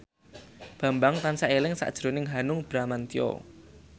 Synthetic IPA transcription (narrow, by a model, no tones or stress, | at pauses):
b̥a̤mbaŋt̪ansaʔelɪŋsa̰ʔd̥ʒ̥ɾonɪŋɦanʊŋb̥ɾamant̪iɔ̰